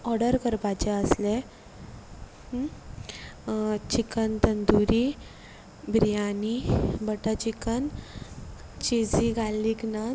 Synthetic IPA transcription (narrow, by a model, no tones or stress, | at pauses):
ɔɽəɾkəɾpat͡ɕeəsle | t͡ɕikənt̪ənd̪uɾi | bɾijanibəʈət͡ɕikən | t͡ɕid͡ziɡʱalːikna